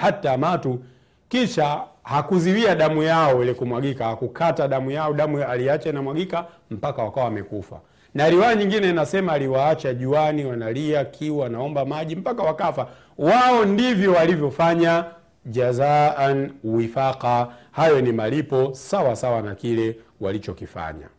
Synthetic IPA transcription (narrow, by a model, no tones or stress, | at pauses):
hatamatu | kiʃahakuziwiaɗamujaɔwɛlɛkumwaɡikahakukʰataɗamujaɔɗamualiat͡ʃainamwaɡika | m̩pakawakawaamɛ̰kufa̰ | naɾiwaːɲiŋɡinɛinasɛmaːliwaat͡ʃaʄuaniwanaliakʰiwanaɔmbamaʄim̩pakawakafa | waɔndivjɔwalivjɔfaɲa | ʄazaanwifaqa | hajɔnimalipɔsawasawanakilɛwalit͡ʃɔkifa̰ɲa̰